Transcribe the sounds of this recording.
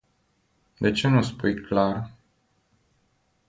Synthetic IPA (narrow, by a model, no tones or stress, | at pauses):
d̪e̞t͡ʃeməspujklar